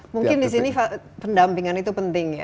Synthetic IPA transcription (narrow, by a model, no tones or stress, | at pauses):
muŋkɪndis̬inifa | pəndampiŋanit̪upənt̪ɪŋja̰